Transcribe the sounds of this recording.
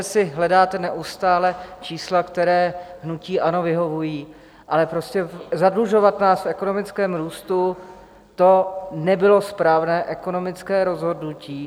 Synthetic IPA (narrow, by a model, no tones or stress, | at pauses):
ɛsɪɦlɛdaːt̪ɛnɛʔust̪aːlɛt͡ʃiːslakt̪ɛɾɛːɦnuciːʔano̞vɪɦo̞vujiː | ʔalɛpɾo̞scɛzadluʒo̞vat̪naːsfɛkono̞mɪt͡skɛːmɾuːst̪u | t̪o̞nɛbɪlo̞spɾaːvnɛːʔɛko̞no̞mɪt͡skɛːɾo̞zɦo̞dnuciː